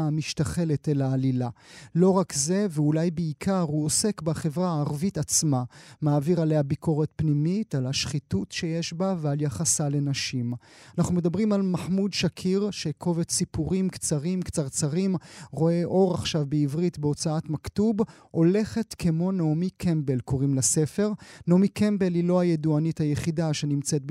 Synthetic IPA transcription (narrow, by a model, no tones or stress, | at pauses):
miʃtaχe̞letelaːlilalo̞ʁakze̞veulajbeikʰaʁhuose̞kbaχe̞vʁaaːʁvitat͡smamaːviʁalejabiko̞ʁet̚pnimitalaʃχitutʃe̞jeʃbavealjaχasale̞naʃimanaχnume̞d̪abʁimalmaħmudʃakʰiʁʃe̞kʰo̞vetsipuʁimkt͡saʁimkt͡saʁt͡saʁimʁo̞e̞ʔo̞ʁaχʃavbeivʁitbeo̞t͡saatmaktub | ho̞le̞χetkemo̞nomikʰembelko̞ʁimlese̞fe̞ʁnomikembe̞lilo̞ajeduanithajeχidaʃenimt͡set̚